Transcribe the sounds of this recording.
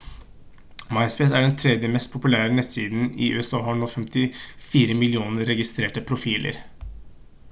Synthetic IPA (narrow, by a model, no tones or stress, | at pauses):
mɑɪspɛsæɖɛnt̪ʰɾɛd̪jəmɛst̪̚pʰʊpʉlæːɾənɛt̪siːd̪n̩ɪ̰ʔʉ̰ːɛsɑːhɑɳuːfɛmt̪ɪfiːɾəmɪlɪuːnəɾɛɡɪst̪ɾeːʈəpʰɾʊfiːlʔə̰ɾ